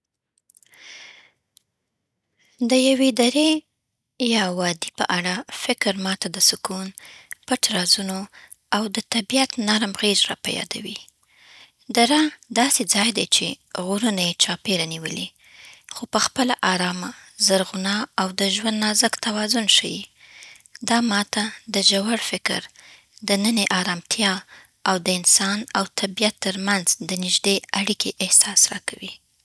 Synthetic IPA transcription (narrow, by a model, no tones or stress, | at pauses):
d̪əjawed̪aɾe | jɑwɑd̪ipə̰ʔaɽafɪkɾmɑt̪ad̪əsʊkunpəʈɾɑzuno | awd̪ət̪abijat̪naɾmɣezɾɑ̰pa̰jɑ̰d̪a̰wi | d̪aɾad̪ɑsed͡zɑjd̪ajt͡ʃeɣuɾunajet͡ʃɑpeɾaniwə̰li | xopəxpəlaʔaɾɑmazaɾɣʊnɑawd̪əʒwand̪nɑzəkt̪awɑzʊnʃajḭ | d̪ɑmɑt̪ad̪əʒawaɽfɪkɾ | d̪ənəneʔɑɾɑmt̪ʰjɑ | awd̪əɪnsɑnawt̪ʰabijat̪ːəɾmanzd̪ənɪʒd̪eaɽikʰeʔɪhsɑsɾɑ̰kawi